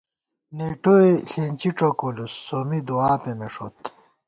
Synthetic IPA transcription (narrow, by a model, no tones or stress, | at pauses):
neʈoeɬeːnʲt͡ɕiʈ͡ʂokolusːomid̪oaːpemeʂo̰t̪